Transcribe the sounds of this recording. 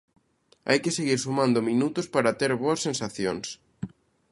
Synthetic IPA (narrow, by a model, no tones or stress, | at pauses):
a̰jkeseɣiɾsumãnd̪ʊmĩnut̪ʊspaɾat̪eɾβoɐsːẽnsaθjoŋs